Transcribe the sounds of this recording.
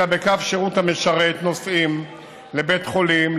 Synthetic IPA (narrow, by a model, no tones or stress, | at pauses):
abekafʃeʁuthameʃaʁet̪nosim | lebetχo̞lim